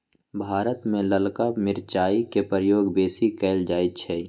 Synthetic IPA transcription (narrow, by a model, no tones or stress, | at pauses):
bʱaːɾət̪mẽləlkamɪɾt͡ʃaːikepɾəjoːɡbeːsikɛːld͡ʒaːit̪t͡ʃʰɛ